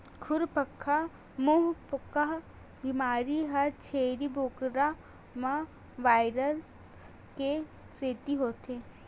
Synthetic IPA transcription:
kʰʊɾpəkʰːa | moɦpəkaɦ | bimaːɾiɦɐt͡ʃʰeːɾibʱoːkɾa | mã | ʋaːɪɾəl | ke | seːt̪iɦoːt̪ʰe

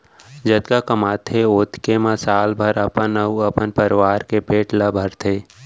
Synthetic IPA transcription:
d͡ʒɐt̪kakəmaːt̪ʰeoːt̪ʰkemɐsaːlbʱəɾəpənəuɐpənpəɾɪʋaːɾkepeːʈləbʱəɾt̪ʰeː

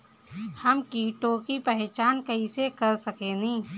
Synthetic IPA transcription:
həmkiːʈõkipɛɦt͡ʃaːnkəɦisekɐɾsəkeːnĩː

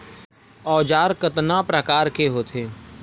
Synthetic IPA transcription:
ɔːd͡ʒaːɾkət̪napɾəkaːɾkeɦoːt̪ʰeː

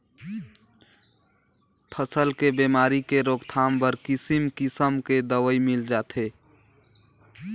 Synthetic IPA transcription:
pʰəsəlkebemaɾikeɾoɡt̪ʰambəɾkisimkisəmked̪əwəimild͡ʒat̪e

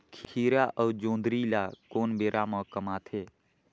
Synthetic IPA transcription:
kʰkʰiːɾaʔəːd͡ʒõːnd̪ɾilaːkoːnbeːɾʔaːməkəmaːt̪ʰeː

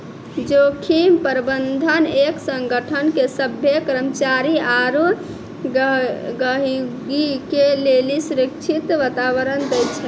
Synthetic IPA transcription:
d͡ʒokʰimpəɾbənd̪ʱəneksəŋɡʱəʈʰənkesəbʱjekɾəmt͡ʃaɾiaɾu | ɡəɦiɡikelelisuɾəkt͡ʃʰit̪ʋat̪aʋəɾənd̪ɛjt͡ʃʰɛ

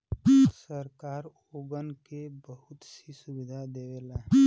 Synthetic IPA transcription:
səɾkaːɾ | oɡənkebəɦʊt̪sisubid̪ʱad̪ewela

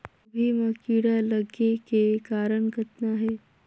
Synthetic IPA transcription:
bʱimɐkiːɽalɐɡekekaːɾəɳkɐt̪naɦɛː

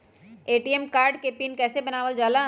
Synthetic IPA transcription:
eːʈiːɛmkaːɾɖkepiːnkɛːsebɐnaːʋəld͡ʒaːla

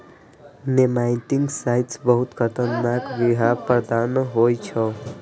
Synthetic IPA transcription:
nemajt̪iŋɡsajʈsbəɦut̪kət̪ənːakbiɦapɾəd̪anɦojt͡ʃʰə

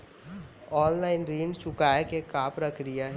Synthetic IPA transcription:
ɔːnlaːɪnɾiːɳɖt͡ʃʊkaːjekekaːpɾɐkʰɾijaɦɛ

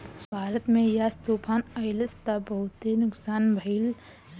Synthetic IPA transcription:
bʱaːɾət̪mẽjast̪oːpʰaːnəɪləst̪abəɦʊt̪enʊksaːnbʱəil

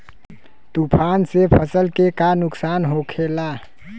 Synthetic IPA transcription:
t̪upʰaːnsepʰəsəlkekanʊksaːnɦokʰela

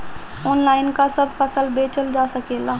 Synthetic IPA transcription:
oːnlaːɪnkasəbfəsəlbeːt͡ʃəld͡ʒaːsəkeːlaː

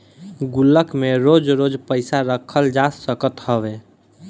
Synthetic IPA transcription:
ɡulːəkmeɾod͡ʒɾod͡ʒpəɪsaɾəkʰəld͡ʒasəkət̪həbe

